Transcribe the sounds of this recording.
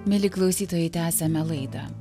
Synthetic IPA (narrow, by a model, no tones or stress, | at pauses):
mʲɪlʲɪklˠɐʊsʲiːt̪oːjɛɪt̪ʲæːsʲɛmʲɛlˠɐɪd̪ɐ̰